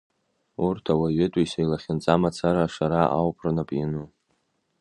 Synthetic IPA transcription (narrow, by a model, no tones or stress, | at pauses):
urtʰawaɥɪtʷʼisajlaχʲɪnt͡sʼamat͡sʰaɾaʂaɾaʔa̰wpʰrnapʼinu